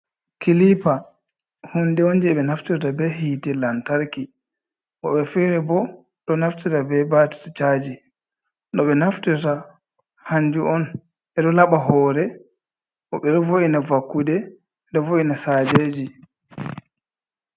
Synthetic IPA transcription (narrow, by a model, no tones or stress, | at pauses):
kilipa | hundɛond͡ʒiɛɓɛnaftiɾtabɛhiːtɛlantaɾki | ʔɔɓɛfiɾɛbɔ | ɗɔnaftitabɛbati̥tat͡ʃad͡ʒi | ɗɔɓɛnaftiɾta | haɲd͡ʒuɔn | ʔɛɗɔlaɓaɦɔːɾɛ | ʔɔɓɛɗɔvoʔinavakːudɛ | ɗɔvoʔinasaːd͡ʒeːd͡ʒi